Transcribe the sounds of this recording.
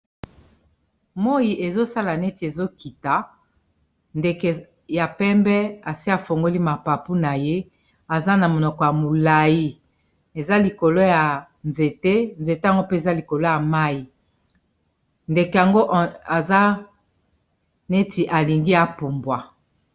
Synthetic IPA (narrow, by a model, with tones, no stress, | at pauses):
mo˦i˨ʔe˨zo˦sa˦la˨ne˦ti˨e˨zo˦ki˨ta˨ | nde˨ke˨ | ja˨pɛ˦mbɛ˦a˨si˦a˨fo˨ŋɡo˦li˦ma˨pa˨pu˦na˨je˦ | a˨za˦na˨mo˨nɔ˨kɔ˨ja˨mo˨la˨ji˦ | e˨za˦li˨ko˨lo˦ja˨ | nze˨te˦nze˨te˦a˨ŋɡo˦pe˦e˨za˦li˨ko˨lo˦ja˨ma˦i˨ | nde˨ke˨ja˨ŋɡo˦ʔa˨za˦ | ne˦ti˨ʔa˨li˨ŋɡi˦ja˨pu˨mbwa˨